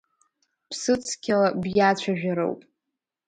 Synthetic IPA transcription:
pʰsɨt͡sʰkʲʰalabjat͡ɕʷʰaʒᶣaɾo̰wpʼ

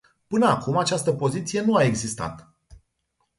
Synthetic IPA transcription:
pɨnəakumat͡ʃast̪əpo̞zit̪sije̞nuae̞ɡzist̪a̰t̪

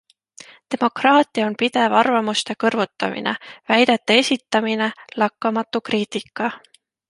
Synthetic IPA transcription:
t̪e̞mo̞krɑːt̪ːˑiɑonpid̪̥e̞vɑrvɑmust̪e̞kɤrvut̪ːˑɑ̰mḭnḛvæjd̪̥et̪ˑːɑe̞sʲit̪ːˑɑmine̞lɑkːɑmɑt̪ːˑukriːt̪ˑikːˑɑ

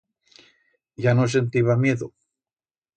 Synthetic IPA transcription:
ʝanos̬e̞nt̪iβamje̞ðo

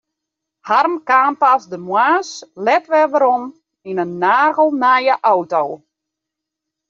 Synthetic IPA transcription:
harmkaːnpasdəmwaːslɛtʋɛʋəɾɔn | inənːaːrɣəlˠnajəʔawtow

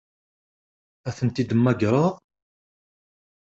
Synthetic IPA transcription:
æθənt̪id̪əmːæɡɾˤəʁ

